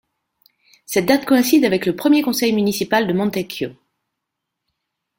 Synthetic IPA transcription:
sɛt̪̚d̪at̪kɔɛ̃sid̪avɛkləpχəmjekɔ̃sɛjmynisipald̪əmɔ̃t̪ekjo

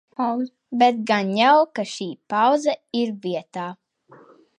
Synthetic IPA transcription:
bɛt̪̚ɡanjawkaʃiːpaw̪zaiɾviɛt̪aː

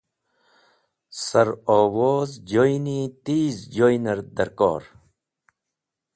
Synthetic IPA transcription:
sɐɾoːwoːzd͡ʑoːjnit̪iːzd͡ʑoːjnɐɾd̪ɐɾkɔ̰ːɾ

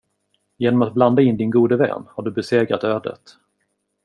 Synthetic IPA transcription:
jeːnɔmat̪̚bland̪aɪnːd̪ɪnɡuːd̪əvɛ̰ːnhaɖɵbɛseːɡɾat̪øːd̪ə̰t̪

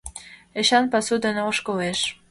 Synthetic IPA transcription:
ĕɕɑnpɑsud̪ɤneoʃkoleʃ

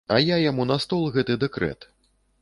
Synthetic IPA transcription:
ɐjajamunɐst̪ɔlˠɣɛt̪ɨd̪ɛkɾɛ̰t̪

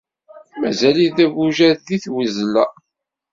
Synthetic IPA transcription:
mæzæliðæbuʒæððiθwəzlæ

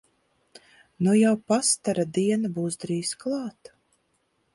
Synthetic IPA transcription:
nujawpast̪aɾad̪iɛnabuːsd̪ɾiːzklˠɑːt̪

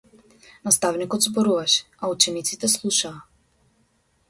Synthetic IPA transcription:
nast̪avnikɔd̪zbɔɾuvaʃɛ̥aut͡ʃɛnit̪sit̪ɛslˠuʃaː

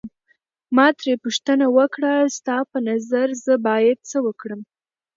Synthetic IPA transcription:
mɑt̪ɾepuʃt̪ənawəkɽast̪ɑpənazaɾzəbɑjad̪̚t͡səwəkɽəm

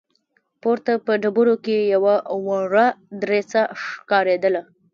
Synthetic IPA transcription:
poɾt̪apəɖabuɾokejawawaɾad̪ɾet͡saʂkɑɾed̪əla

